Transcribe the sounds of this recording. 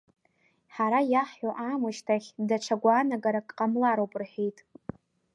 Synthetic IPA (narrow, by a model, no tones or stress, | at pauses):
ħaɾajaħħoʔamɨʃtʰaχʲdaʈ͡ʂʷʰaɡʷaːnaɡaɾakʼqʼamlaɾowpʼrħejtʼ